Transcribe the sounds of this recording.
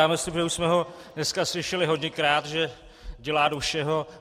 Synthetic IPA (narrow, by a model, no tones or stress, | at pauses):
aːmɛslɪpʒɛuʃsmɛɦo̞dnɛskaslɪʃɛlɪɦo̞ɟɲɛkɾaːt̪ʒɛ | ɟɛlaːdoʃɛɦo̞